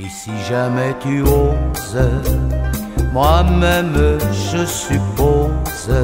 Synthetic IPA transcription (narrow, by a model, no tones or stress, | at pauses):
esiʒamɛt̪yoz | mwamɛmʒəsypoz̥